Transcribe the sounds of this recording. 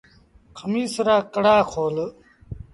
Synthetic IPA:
kʰɐmiːsɾaːkəɽaːkʰoːl

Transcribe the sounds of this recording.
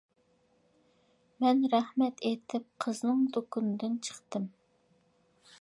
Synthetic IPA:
mɛnɾɛhmɛt̪ʰet̪ʰɪp̚qʰəznɨŋd̪okunɨd̪ɪnt͡ʃʰə̥χt̪ɨm

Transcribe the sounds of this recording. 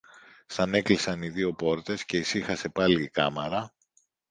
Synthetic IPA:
sɐne̞klisɐniðio̞po̞ɾt̪e̞sce̞isixɐse̞pɐliːkɐmeɾɐ

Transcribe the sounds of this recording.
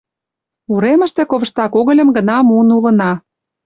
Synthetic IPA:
uɾemə̆ʃt̪ĕkoβə̆ʃt̪ɑkoɣə̆lʲə̆mɡə̆nɑmuənulə̆nɑ

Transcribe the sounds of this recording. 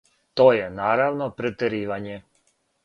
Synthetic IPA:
t̪oːjenaːɾaʋnopɾet̪eɾiːʋaɲe

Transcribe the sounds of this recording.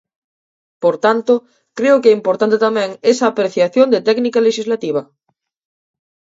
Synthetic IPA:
poɾt̪ant̪o | kɾeokeimpoɾt̪ant̪et̪amẽŋesaːpɾeθjaθjond̪et̪ɛknikaleʃizlat̪iβ̞a

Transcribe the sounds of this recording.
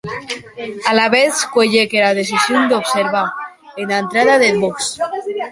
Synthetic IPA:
alaβeθkweʎekelaðeθisjond̪eopseɾβa | enaent̪ɾaðaðeboks

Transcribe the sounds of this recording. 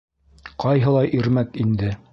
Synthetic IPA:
qɑjɦɤ̆lˠɑjʔiɾmækind̪ɘ

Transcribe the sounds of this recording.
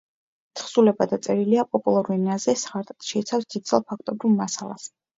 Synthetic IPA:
t̪ʰχsulɛbad̪at̪sʼɛɾiliapʼɔpʼulˠaɾuɛniazɛsʁaɾt̪ʼt̪ʃɛit̪sʰafsd̪id̪̚zɛlˠpʰakʰt̪ʼɔbɾivmasalˠa̰s

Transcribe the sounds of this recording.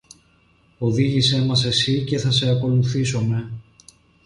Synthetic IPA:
o̞ðiʝise̞mɐs̬e̞sice̞θɐse̞ɐko̞luθisome̞

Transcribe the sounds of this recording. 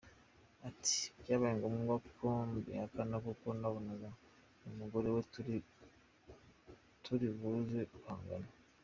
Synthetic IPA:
ati̥ɟaːβajeŋɡomɡwakʰombḭhakanakukonaβonaɡa | umuɡo̞ɾewetɾ | tʰuɾiβuzehaːŋɡa̰na

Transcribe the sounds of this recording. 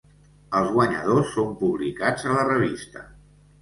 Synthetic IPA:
əlˠzɣwəɲə̰ð̞osːompuβlikad͡zələrəβ̞ist̪ə

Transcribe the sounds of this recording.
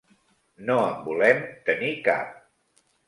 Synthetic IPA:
noəmbulɛmt̪ənika̰p̚

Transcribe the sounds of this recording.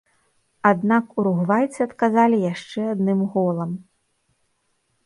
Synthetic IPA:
ad̪nakuɾuɣvajt̪sɨɐt̪kazalʲijaʂt͡ʂɛad̪nɨmɣɔlˠɐm

